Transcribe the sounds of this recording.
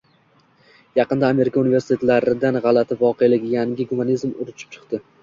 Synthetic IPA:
jɑqɨnd̪aːme̞ɾɪkʰaunɪve̞ɾsɪt̪ʰe̞t̪laɾɪd̪anʁɑlat̪ʰɪvɒqʰe̞jlɪɡʲɪjaŋʲɪɡumanizmʊɾʊt͡ʃʰɪ̥p̚t͡ʃʰɨ̥qt̪ɪ

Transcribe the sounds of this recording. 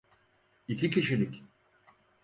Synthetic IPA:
icʲʰicʰiʃilʲic

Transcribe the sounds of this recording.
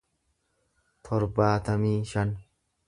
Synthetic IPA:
t̪ʰɔɾbaːt̪ɐmiːʃɐn

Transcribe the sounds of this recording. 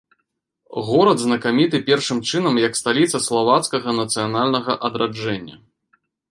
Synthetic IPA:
ɣɔɾɐd̪znɐkamʲit̪ɨpʲɛrʂɨmt͡ʂɨnɐmjɐkst̪alʲit̪sɐslˠavat̪skɐɣɐnɐt̪sɨjanalʲnɐɣɐʔɐd̪ɾʔad͡ʐɛnʲːɐ̰

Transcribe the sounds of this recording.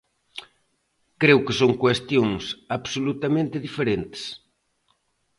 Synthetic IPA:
kɾewkɪsoŋkwest̪jõŋsaβsolut̪amẽnt̪ɪðifeɾent̪ɪ̥s

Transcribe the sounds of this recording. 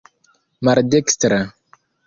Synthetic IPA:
maɾd̪ekst̪ɾa

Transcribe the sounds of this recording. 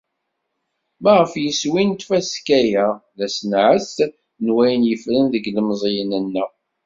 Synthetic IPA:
mæʁəfjəswint̪fæskæjæðæsənʕəs | nwæjənjəfɾənðəɡləmzˤijənənːə

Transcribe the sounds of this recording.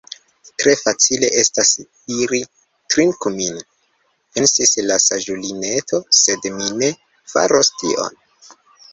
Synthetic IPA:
tɾe̞fat͡sile̞ʔe̞stas | iɾi | tɾiŋkumin | pe̞nsislasaʒulineto̞se̞dmine̞ | fa̰ɾostḭʔo̰n

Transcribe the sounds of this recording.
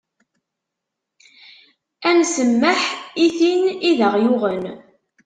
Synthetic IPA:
ænsəmːəħiθiniðəʁjʊʁən

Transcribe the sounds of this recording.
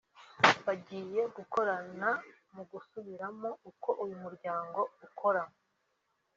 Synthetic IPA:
βaɟiːje̞ɡuko̞ɾana | muɡusuβiɾamo̞uko̞ʔujumuɾɟaːŋɡo̞ukʰo̞ɾamo

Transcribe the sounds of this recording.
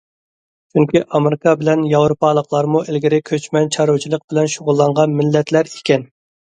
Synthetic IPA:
t͡ʃʰyŋkʲiʔɑmeɾɪkʰɑbɪlɛnjɑwɾopʰɑlˠəqlˠɑɾmuʔɪlɡʲɪɾɪkʲʰøt͡ʃmɛnt͡ʃʰɑɾowt͡ʃʰilˠəq̚b̥ɪlɛnʃoʁʊlˠːɑɴʁɑnmɪlːɛt̪læɾe̥kʲɛn

